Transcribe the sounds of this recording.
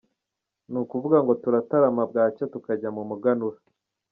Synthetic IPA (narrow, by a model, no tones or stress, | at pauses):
nukuvuɡaŋɡo̞tuɾataɾamab̚ɡaːcotukaɟamumuɡanuɾa